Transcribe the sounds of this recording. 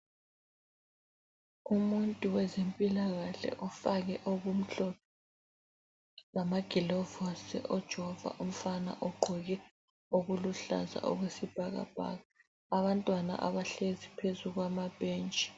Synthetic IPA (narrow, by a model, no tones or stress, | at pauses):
umuntʼuwɛzempʼilaɣaɬɛ̰ʔɔfaɣɛʔoɣum̩ɬɔ | lamaɡ̥ʱilɔvɔsɛ̰ʔɔd̥ʒ̥ʱɛɔva̰ʔum̩fana̰ʔɔɡ͡ǃʱɔɣɛ | oɣuluɬa̰za̰ʔɔ̰ɣwesib̥ʱaɣa̰b̥ʱa̰ːɣaː | βantʼwana̰ʔa̰βaɬezipʰezuɣwamab̥ʱeːnt͡ʃʼi̥